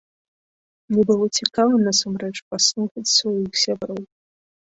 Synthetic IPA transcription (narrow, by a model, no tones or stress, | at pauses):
mnʲɛbɨlˠɔt͡sʲikavɐnɐsamɾɛt͡ʂpaslˠuxɐt͡sʲsvajixsʲabɾɔw